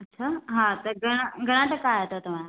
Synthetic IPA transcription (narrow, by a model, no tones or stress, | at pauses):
ɐtːɕʰaːɦaːt̪ɐɡʱɐɽ̃əɡʱɐɽ̃ãʈ̪ɐkaɦet̪ot̪ɐʋ̤ã